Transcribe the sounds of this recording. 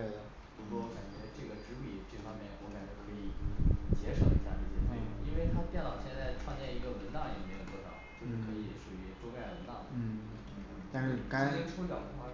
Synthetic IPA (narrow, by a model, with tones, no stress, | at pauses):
we˥˩ɪd̪ə˩u˧˥wɔ˥˩˥ka˨˩t͡ɕɥɛ˧˥ʈ͡ʂɤ˥˩ɡə˩ʈ͡ʂɻ̩˧˥pi˨˩ʈ͡ʂɤ˥˩fɑ˥ŋmjɛ˥˩˨kwu˥˧ka˥˩d̪ə˨˩kʰɤ˧˥i˨˩˦t͡ɕjɛ˧˥ʂo˨˩ʊi˧˥ɕja̰˥˩ʈ͡ʂ̩˥˧˩t͡ɕi˥˩˥i˥nwe˥˩ɪt̪ʰa˥p̪jɛ˥˩nt̪ɑ˨˩ʊɕjɛ˥˧t͡sa˥˩ɪʈ͡ʂʰwɑ˥˧ŋt͡ɕjɛ˥˩ni˧˥ɡə˧wə˧˥nt̪ɑ˥˩ŋi˧˥ŋ˧˩e˥˩ɡə˧˩pwɔ˥˩t̪ɑ̰˨˩ʊt͡ɕjo˥˧ʊʂɻ̩˥˩kʰɤ˧˥i˧˥˦ʂu˨˩y˧˥ʈ͡ʂo˥ʊka˥˩ɪwə˧˥nt̪ɑ˥˩ʊ˥˩˥t̪a˥˧ʂɻ̩˥˩ka˥e˥ʈ͡ʂʰt͡ɕjɑ˨˩ʊt̪ə˧˥xa˥